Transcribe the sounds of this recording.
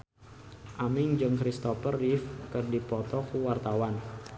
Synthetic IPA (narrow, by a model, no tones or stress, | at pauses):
ʔamɪŋd͡ʒəŋkɾist̪ɔfərifkərdipɔt̪ɔkuwart̪awan